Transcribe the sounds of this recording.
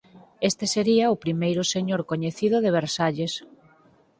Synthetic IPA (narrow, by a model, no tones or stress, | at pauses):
est̪eseɾiɐʊpɾimejɾʊseɲoɾkoɲeθiðʊðeβ̞eɾsaʎes